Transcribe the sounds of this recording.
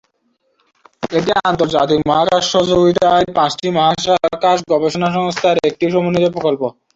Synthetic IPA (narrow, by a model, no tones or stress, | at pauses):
eʈiant̪oɾd͡ʑat̪ikmɔɦakaʃːod͡ʑoɡit̪aepãsʈimɔɦaʃakaʃɡɔbeʃonaʃ̬ɔŋst̪ʰaɾek̚ʈiʃɔmonːit̪epɾokolpo